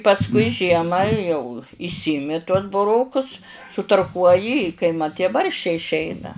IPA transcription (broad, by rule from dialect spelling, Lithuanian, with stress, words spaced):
pɐsˈkʊɪ ˈʒʲiɛmɑː jɛʊ ɪʃʲˈsʲɪɪmʲɪ tuɔs bʊˈroːkʊs sʊtɐrˈkuɔjɪ ɪ kɐɪ ˈmɐt tʲiɛ ˈbɐrʲʃʲt͡ʃʲɛɪ ɪʃʲˈɛɪnɐ